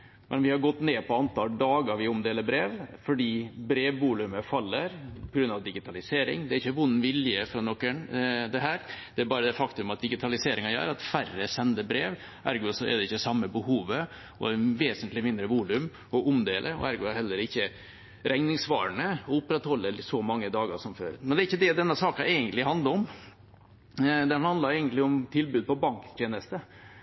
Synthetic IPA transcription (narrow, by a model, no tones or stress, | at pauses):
mʔɛnʋɪhɑɾɡɔt̪ːneːpʰɔɑnt̪ʰɑːlɖ̪ɑːɡɑʋɪʊmd̪eːləbɾeːʋfɔɖiːbɾeːʋbuːlʉməfɑlːəɾpʰɔɡɾʉnɑʋd̪ɪɡɪt̪ʰɑlɪseːɾɪ̰ŋd̪ɛæɾɪçːəʋʊnːʋɪljəfɾɑnɔkːənd̪ɛɦæːɾd̪ɛæɾbɑːɾəd̪ɛfɑkt̪ʉmɑt̪̚d̪ɪɡɪt̪ʰɑlɪseːɾʔɪŋɑjœ̰ːɾɑt̪færəsɛnd̪əbɾeːʋ | ʔæɾɡʊsɔɛ̰d̪ɛɪçːəsɑmːəbəhuːʋə | ɔ̰ʋeːsənt̪lɪmɪnd̪ɾəʋuːlʉm | ɔʔʊmd̪eːlʔəɾɔ̰æɾɡʊæɾhɛlːəɾɪçːə | ɾʔɛŋnɪŋsʋɑ̰ːɾəɳəɔʊpːɾɛt̪hɔlːəsɔmɑŋːəd̪ɑːɡɑʂɔmfø̰ːɾmɛnd̪ɛɾɪçːəd̪ɛd̪ɛnːəsɑːkɑʔɛɪɡənt̪lɪhɑnd̪ɑɾɔm | d̪ɛhɑnd̪lɑɾɛɪɡənt̪lɪʊmt̪ʰɪlbʉːd̪̚pɔbɑŋkt̪ʰjeːnəst̪ə